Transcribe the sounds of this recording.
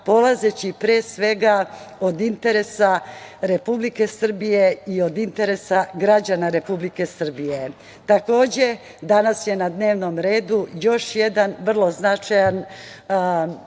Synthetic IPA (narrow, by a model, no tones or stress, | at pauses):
po̞lazet͡ɕipɾeːsʋe̞ɡaod̪int̪e̞ɾe̞saɾe̞publike̞sr̩bijeio̞d̪int̪e̞ɾe̞saɡɾad͡ʑanaɾe̞publike̞sr̩bije̞ | t̪ako̞ːd͡ʑe̞ | d̪anasje̞nad̪ne̞ːʋno̞mɾe̞ːd̪ujo̞ʃje̞d̪anʋr̩lˠo̞znat͡ʃajan